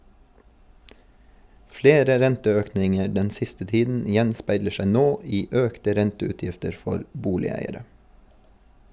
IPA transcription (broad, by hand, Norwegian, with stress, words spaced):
ˈfleːɾə ˈɾɛntəˌøːknɪŋə ˈɖɛn ˈsɪstə ˈtiːdn̩ ˈjɛnspæɪlə ˈʃæɪ ˈnoː ˈiː ˈøːktə ˈɾɛntəʉːˌtjɪftəɾ ˈfɔɾ ˈbuːlɪˌæɪəɾə